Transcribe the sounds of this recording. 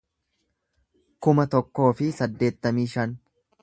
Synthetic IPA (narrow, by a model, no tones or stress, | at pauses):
kʊmɐt̪ɔkːo̞ːfɪsɐd̪ːe̞ːt̪ːɐmiːʃɐn